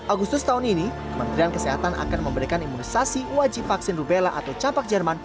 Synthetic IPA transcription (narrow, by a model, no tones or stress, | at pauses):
ʔaɡust̪ʊst̪aɦʊninikəmənt̪ɾiankəseɦat̪anʔa̰kanməmbəɾikanimunisasiwad͡ʒɪpfaksɪnrubelaʔat̪awt͡ʃapak̚d͡ʒərman